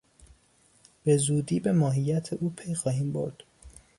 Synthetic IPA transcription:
b̥e̞zuːd̪iːbe̞mɒːɦijæt̪ʰeʔuːpʰe̞jxɒːhiːmbo̞̰ɾd̪̥

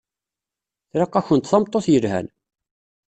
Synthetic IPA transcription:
θɾɑqːɑçənt̪θɑmt̪ˤːoθjəlhæ̰n

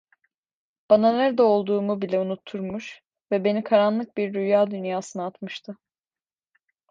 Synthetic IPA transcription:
b̥ananæɾd̪ɛo̞lˠd̪uːmubilʲɛunut̪ʰːuɾmuʃ | vɛbe̞nikʰaɾanlˠɯk̚biɾɾyjaːd̪ynjaːsɯnɯat̪mɯʃt̪ʰɯ

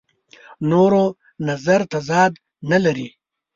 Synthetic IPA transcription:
noːɾo | nɐzaɾt̪azɑːd̪ | nɐlɐɾi

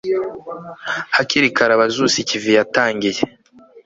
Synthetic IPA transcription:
haciɾikaɾaβazusicivijataːɲɟije

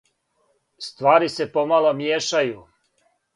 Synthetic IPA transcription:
st̪ʋaːɾisepo̞malˠomjeːʃaju

